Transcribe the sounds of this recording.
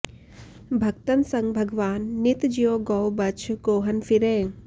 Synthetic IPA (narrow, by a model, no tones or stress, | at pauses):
bʱɐkt̪ənsɐ̃ŋɡbʱɐɡʋaːnːit̪d͡ʒijoːɡɐwbɐt͡ʃʰɡoːɦɐnfiɾeː